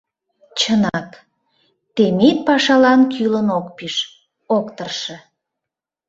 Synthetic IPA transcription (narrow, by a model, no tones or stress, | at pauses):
t͡ɕənɑk | t̪emet̪̚pɑʃɑlɑnkʰylənokpiʃ | okt̪ərʃə̆